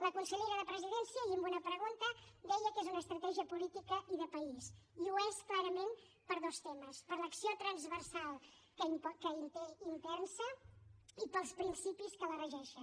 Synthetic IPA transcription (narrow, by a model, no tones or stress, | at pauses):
ləkunsəʎeɾəðəpɾəziðɛnsiəiəmbunəpɾəɣ̞unt̪əd̪ɛjəkezunəst̪ɾət̪ɛʒiəpulit̪ikəiðəpəisiuesklaɾəmen | pəɾðost̪eməspəɾləksiot̪ɾənzβərsalˠ | kəipɔkəint̪eint̪ɛnsə | ipəlˠspɾinsipiskələrəʒɛʃə